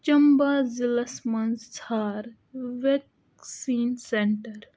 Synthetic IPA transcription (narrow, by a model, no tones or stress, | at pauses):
t͡ʃɐmbaːzilɐsmɐnzt͡sʰaːɾ | ʋek | siːnseɳʈəɾ